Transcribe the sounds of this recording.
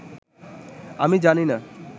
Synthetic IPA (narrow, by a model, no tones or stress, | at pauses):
a̰mĩd͡ʒanina